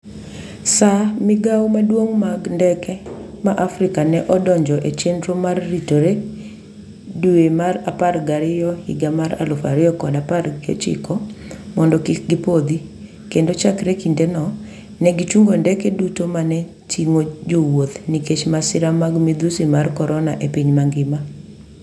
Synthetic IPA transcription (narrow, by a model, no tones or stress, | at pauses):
samɪɡawmadwoŋmaɡndɛkɛ | maʔafɾɪkanɛʔɔdɔɲd͡ʒɔʔet͡ʃendɾomarːitoɾe | duemaraparɡaɾɪjɔhḭɡamaɾa̰lɔfaɾɪɔkɔdaparɡɪɔ̰t͡ʃɪ̰kɔmɔndɔkɪkɡɪpod̪i | kendot͡ʃakɾekindenɔ | nɛɡit͡ʃuŋɡondɛkɛdutomanɛ | tiŋod͡ʒowot̪niket͡ʃmasɪɾamaɡmid̪usimarkɔɾɔnaʔepiɲmaŋɡɪma